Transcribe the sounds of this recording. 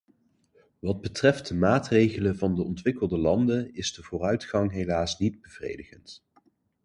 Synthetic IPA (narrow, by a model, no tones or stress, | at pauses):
ʋɑd̚bətrɛftd̚əmaːtrejχələvɑndəɔntʋɪkəlˠdəlɑndənɪzdəvʊːrœɥtχɑŋɦejlaːsnid̚bəv̥rḛjdəχənt